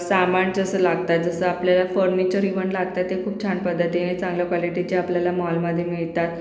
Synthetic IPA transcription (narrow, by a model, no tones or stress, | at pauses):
samaɳd͡zəsəːlaɡt̪at̪̚d͡zəsəapljalafəɾnit͡ɕəɾiʋəɳlaɡ̚t̪at̪ːekʰuːp̚t͡ɕʰanpəd̪ʱːət̪iɦẽt͡sãŋɡləkʋwɔliʈit͡ɕeapljalamɔlməd̪ʱːjemiɭt̪at̪